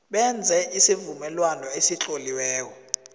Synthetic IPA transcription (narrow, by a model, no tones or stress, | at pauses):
ɓɛnd͡zʱɛisivumɛlwanɔesit͡ɬʼoliwɛːkɔ